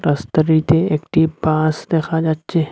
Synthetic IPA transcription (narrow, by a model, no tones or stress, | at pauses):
ɾɐst̪əɾiːt̪eekʈiːbpaːsd̪exʰaːd͡ʒatːt͡ʃːe